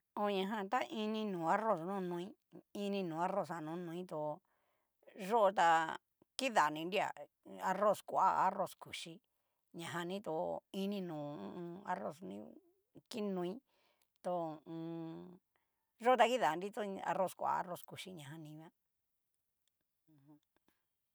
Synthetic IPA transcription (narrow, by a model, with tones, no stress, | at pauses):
o˧ɲã˧ɦã˧t̪a˦ʔi˧nĩ˧nũː˨a˦ro˦˧˨snũ˦˧nũ˧ĩ˦ | i˧nĩ˧nũː˨a˦ɾo˧˨sa˧˨nũ˨˧˦nũ˧ĩ˦t̪o˧ | ʐo˦ʔo˧t̪a˧ | ki˦ða˨nĩ˧ndi˦a̰˨ | a˧ro˦˧˨skʷa̰˦˧a̰˦ro˧˨sku˨ʂi˧ | ɲã˨ɦã˧nĩ˦t̪o˧i˧˦nĩ˧nũː˨˦˧a˧ro̰˧˨snḭ̃˧˦ | ki˦nũ˧ĩ˦ | t̪o˧ũː˧ | ʐo˦o˧t̪a˧ki˦ða˨˧nɾi˦t̪o˦a̰˧ɾo˦˧˨skʷa̰˧a̰˦ro˧sku˨ʃi˧ɲã˨ɦã˧nĩ˧˦βã˦˧